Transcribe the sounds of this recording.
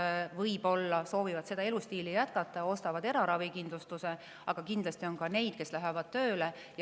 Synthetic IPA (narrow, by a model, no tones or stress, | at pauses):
vɤjbo̞lːɑso̞ːvivɑd̪̥se̞d̪ɑe̞lust̪iːlijæt̪kɑt̪ːˑɑo̞st̪ɑvɑd̪e̞ɾɑɾɑvikind̪lust̪use | ɑɡ̥ɑkind̪lɑst̪io̞nkɑne̞jd̪̥ke̞slæɦevɑd̪̥̚t̪ø̞ːle | j